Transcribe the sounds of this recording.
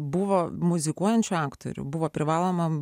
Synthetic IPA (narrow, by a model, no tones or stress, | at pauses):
bʊʋoːmʊzʲɪkuɔjɛnʲt͡ʃʲʊɑːkt̪o̰ɾʲʊ̰bʊʋoːpʲɾʲɪʋɑːlˠoːmɐ